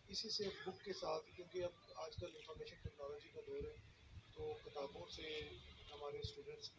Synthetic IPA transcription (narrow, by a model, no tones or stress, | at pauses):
ɪsisebʊkːesaːt̪ʰkjũːkeɐbaːd͡ʒkɐlɪ̃nfəːɾmeːʃənʈɛknɔːlɔːd͡ʒikad̪ɔːɾɦɛ | t̪oːkɪt̪aːbõseɦɐmaːɾesʈuːɖə̃ɳʈs